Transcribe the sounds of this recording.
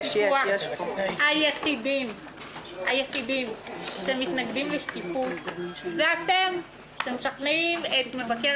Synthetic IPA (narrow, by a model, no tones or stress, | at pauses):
aʃhajeχid̪im | hajeχid̪imʃemit̪naɡd̪imleʃt̪ifutzeat̪e̞m | ʃtemʃaχneimet̪mevake